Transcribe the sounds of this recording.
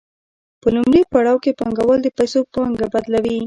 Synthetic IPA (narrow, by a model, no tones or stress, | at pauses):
pəlʊmɾepaɽɑwkepaŋɡawəld̪əpajsopaŋɡabad̪lawi